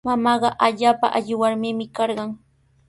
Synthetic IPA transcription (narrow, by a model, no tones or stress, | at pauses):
mamɑːɢɑʔaʎaːpaʔaʎɪwaɾmɪːmɪkɑɾɢɑŋ